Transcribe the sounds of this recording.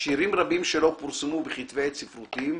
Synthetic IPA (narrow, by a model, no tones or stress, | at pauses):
ʃiɾimʁabimʃelo̞puɾsemubeχit̪vejt̪sifɾut̪im